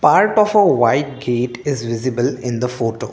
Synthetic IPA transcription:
paːɾʈɔːfəʋaɪʈ̚ɡeːʈɪzʋɪzɪbəlɪ̃nd̪əfoːʈo̰ː

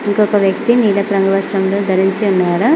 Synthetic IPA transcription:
iŋkɔkɐʋjɐkt̪iniːlɐpɾɐŋɡɐʋɐsɐmloːd̪ʱɐɾiɲt͡ʃiunːaːɽɐ

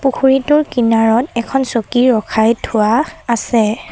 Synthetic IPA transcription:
pukʰuɹitʊɹkinaɹɔtɛkʰɔnsokiɹɔkʰajtʰʊwaːsɛ

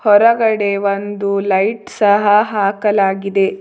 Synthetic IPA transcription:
hɔɾɐɡɐɽe̞ʋond̪ulɐjʈsɐɦɐɦaːkɐlaːɡid̪e̞

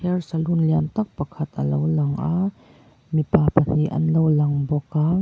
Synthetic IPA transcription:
ɛrsɐlunliant̪ɐk̚pɐkʰɐt̪̚ʔɐlowlɐŋʔaː | mipaːpɐniʔɐ̰nlowlɐŋbɔka

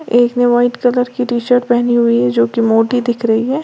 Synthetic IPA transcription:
eːkneʋaːɪʈkɐləɾkiʈiːʃəɾʈ̚pɛɦniɦʊiɦɛd͡ʒoːkemoːʈid̪ɪkʰɾɐɦiɦɛː

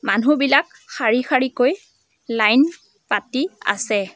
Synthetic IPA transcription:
manubilak | xaɹixaɹikoj | lajn | patia̰sɛ

